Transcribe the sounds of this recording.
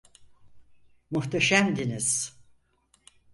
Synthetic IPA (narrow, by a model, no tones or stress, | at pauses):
muht̪ʰaʃæmd̪iniz̥